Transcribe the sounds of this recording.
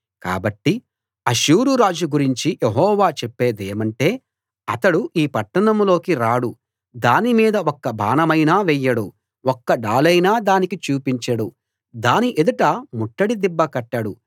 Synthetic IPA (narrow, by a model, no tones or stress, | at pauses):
ka̰ːbɐʈːi | ɐʃuːɾuɾaːd͡ʒuɡuɾiɲt͡ʃijʔeɦɔːʋaːt͡ʃepːe̞ːd̪eːmɐɳʈe̞ː | ɐt̪ɐɽuʔiːpɐʈːɐɳɐmlo̞ːkiɾaːɽu | d̪aːnimiːd̪ɐɔkːɐbʱa̰ːnɐmɐjnaːʋɛjːɐɽu | ɔkːɐɖaːlɐjnaːd̪aːnikit͡ʃuːpiɲt͡ʃɐɽu | d̪aːniʔed̪uʈɐmuʈːɐɽid̪ibːɐkɐʈːɐɽu